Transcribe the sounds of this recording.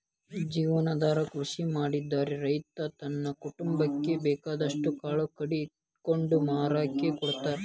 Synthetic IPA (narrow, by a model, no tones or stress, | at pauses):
d͡ʒiːʋɐnɐd̪aːɾɐkɾuʂimaːɽid̪ːaːɾeɾɐjt̪ɐt̪ɐnːɐkuʈumbɐkːe̞bɛːkaːd̪ɐʂʈukaːɭɐkɐɽi | koɳɖumaːɾaːkekɔɽt̪aːɾe